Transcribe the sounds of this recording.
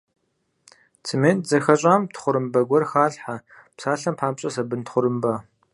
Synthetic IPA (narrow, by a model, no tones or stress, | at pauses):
t͡sʰɨmeːnzɐxɐɕʼaːmtχʷʊɾɨmbɐɡʷɔrxaːɮħa | psaːɬɐmpʰaːmɕʼɐsɐbɨntχʷʊɾɨmbɐ